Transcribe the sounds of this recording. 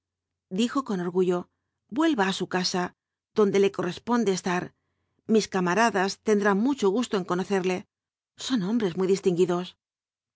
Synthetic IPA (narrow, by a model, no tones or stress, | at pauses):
d̪ixo̞ko̞no̞ɾɣuʝo̞ | bwe̞lβaːsukasa | ð̥o̞nd̪e̞le̞ko̞rʔe̞spo̞nd̪e̞ːst̪aɾ | miskamaɾaðast̪e̞nd̪ɾaŋmut͡ʃo̞ɣ̞ust̪o̞e̞ŋko̞no̞θe̞ɾle̞ | so̞nõ̞mbɾe̞zmujðist̪iŋɡiðo̞s